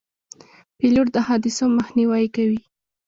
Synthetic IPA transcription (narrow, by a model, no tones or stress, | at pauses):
piluʈd̪əhɑd̪ɪsomaxniwajkawi